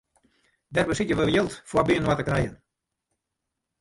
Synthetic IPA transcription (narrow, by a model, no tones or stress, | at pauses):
dɛrbəsɪtjəʋəəjɪlˠtfwabiənwatəkrɛjən